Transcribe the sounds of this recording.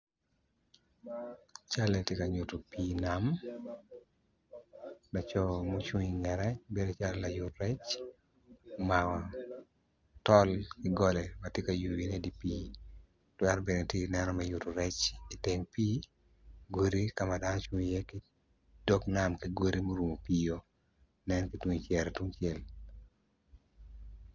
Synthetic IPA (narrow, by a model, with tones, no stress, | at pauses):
t͡ʃa˦letje˦ka˨ɲʊ˨to˨pi˦nam | la˨t͡ʃɔ˦mo˦t͡ʃu˦ŋi˨ŋɛɾɛbe˦do˨t͡ʃa˦lla˨jʊtɾɛ˦t͡ʃ | ma˨ŋɔ˨ | tɔ˦lkɪ˦ɡɔ˦lɛ˨ma˨tje˦ka˨ju˨wine˦di˨piː˦ | twɛ˦ɾbe˨ne˨tje˦nɛ˦nɔ˦mɛjʊto˨ɾɛ˦t͡ʃi˨tɪŋpi˦ | ɡwo˦ɾi˦ka˦ma˨da˦n˦t͡ʃŋi˨je˦kɪ˦ | d̥o˦knamki˦ɡwo˦ɾi˦mo˦ɾu˨mo˨pijo˦ | nɛ˦nki˦twu˦ŋi˨t͡ʃɛɾɛtwu˦ŋt͡ʃjɛ˦l